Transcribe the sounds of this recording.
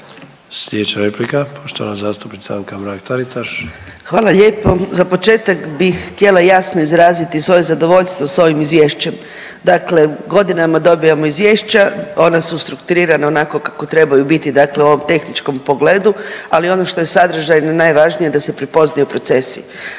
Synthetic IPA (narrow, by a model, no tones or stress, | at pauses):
slʲed̪et͡ʃaɾeplikapʰoʃt̪oʋa̰nazaːst̪upnit̪saaŋkamɾaːkt̪aɾit̪aʃxʋaːlaʎe̞ːpozapo̞t͡ʃe̞ːt̪akbixxt̪ʲje̞lˠajasnoizɾaːzit̪isʋo̞je̞zad̪o̞ʋo̞ʎst̪ʋoso̞ʋimizʋjeːʃt͡ɕe̞m | d̪akle̞ɡo̞d̪inamad̪o̞bijamo̞izʋje̞ːʃt͡ɕao̞nasust̪ɾukt̪uɾiːɾanaonako̞kakot̪ɾe̞bajubit̪id̪akleuo̞ʋo̞mt̪e̞xnit͡ʃko̞mpo̞ɡle̞ːd̪ualio̞no̞ʃt̪o̞je̞sad̪ɾr̩ʒajnanajʋaʒnije̞d̪ase̞pɾipo̞znajupɾo̞t̪se̞sḭ